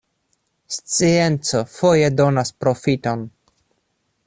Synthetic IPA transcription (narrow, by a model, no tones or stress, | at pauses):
st͡sie̞nt͡so̞fo̞je̞do̞naspɾo̞fito̞n